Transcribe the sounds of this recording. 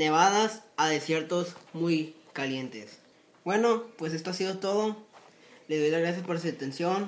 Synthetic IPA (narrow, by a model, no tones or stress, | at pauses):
ne̞βaðasaðe̞sje̞ɾt̪o̞zmujkalje̞nt̪e̞s | bwe̞no̞pwe̞s̬est̪oasiðo̞t̪o̞ðo | le̞ðo̞jlazɣɾas̬jaspo̞ɾsuðet̪e̞nsjo̞n